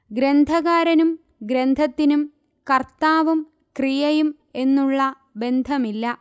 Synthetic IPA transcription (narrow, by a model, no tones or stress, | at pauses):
ɡɾe̞nd̪ʱɐɣaːɾɐnum | ɡɾend̪ʱɐt̪ːinum | kɐrt̪aːʋum | krijɐjum | e̞nːuɭːɐ | be̞nd̪ʱɐmilːɐ